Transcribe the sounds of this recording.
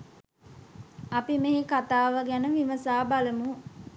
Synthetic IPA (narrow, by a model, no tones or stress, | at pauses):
apimeɦikat̪aːʋəɡænəʋiʋəsaːbaləmu